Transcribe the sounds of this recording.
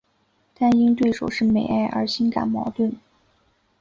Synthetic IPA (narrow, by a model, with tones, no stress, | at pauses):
t̪a˥˧ni˥ŋt̪we˥˩ɪʂo˨˩ʊʂɻ̩˥˩me˨˩ɪa˥˩ɪʔə̰˞˧˥ɕi˥nka̰˨˩nmɑ̰˧˥ʊt̪wə˥˩n